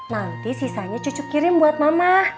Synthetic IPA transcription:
nant̪isisaɲet͡ʃut͡ʃʊkːiɾɪmbuat̪̚mamah

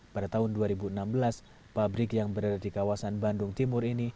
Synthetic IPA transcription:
padat̪aɦʊnduaɾibuənambəlas | pabɾɪkjaŋbəɾadadikawasanbandʊŋt̪imʊrini

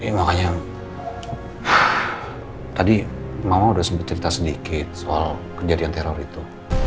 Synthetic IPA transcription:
makaɲa | t̪adimamaudahsəmpət̪̚t͡ʃəɾit̪asədikɪt̪̚soalkərd͡ʒadiant̪eɾorit̪u

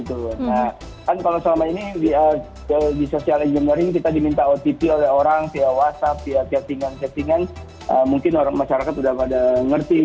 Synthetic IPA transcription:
it̪una | kankalosəlamainiiə | ədisosialiɲd͡ʒamnaɾɪŋkit̪adimint̪aot̪ipiolɛɦoɾaŋsiawasapiasiasiŋansiasiŋan | ʔəmuŋkɪnoɾaŋmaʃaɾakat̪udahadaŋərt̪i

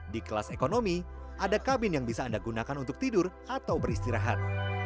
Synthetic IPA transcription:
dikəlasekonomiʔadakabɪnjaŋbisaːndaɡunakanunt̪ʊk̚t̪idʊr | at̪awbərist̪iɾaɦat̪̚

